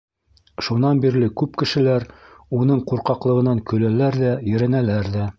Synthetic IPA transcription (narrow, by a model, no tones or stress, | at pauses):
ʃunɑnbiɾlɘkʉpkɘ̆ʃɘ̆læɾunɤɴquɾqɑqlˠɤ̆ʁɤ̆nɑŋkɵ̆lælæɾðæjɘ̆ɾænælæɾðæ